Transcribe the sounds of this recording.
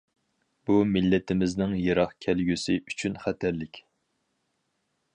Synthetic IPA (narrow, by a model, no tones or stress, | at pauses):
b̥umɪlːɪt̪ʰɪmɪznɪŋjeɾɑχkʲʰælɡʲysɪʔyt͡ʃʰynχæt̪ʰæɾlɪkʲ